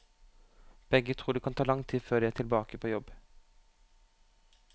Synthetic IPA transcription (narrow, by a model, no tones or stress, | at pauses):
b̥ɛɡət̪ʰʁuːd̪ɛːkʰɑnt̪ʰɑːlɑŋt̪ʰiːføːʁd̪ɛːæːʈ̪ʰɪlbɑːkəpʰoːjɔb